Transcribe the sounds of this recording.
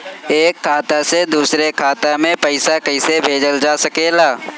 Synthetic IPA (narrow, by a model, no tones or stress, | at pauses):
eːkʰːaːt̪ased̪uːsɾekʰaːt̪amẽpɐɪsakɐɪsebʱeːd͡ʒəld͡ʒaːsɐkeːlaː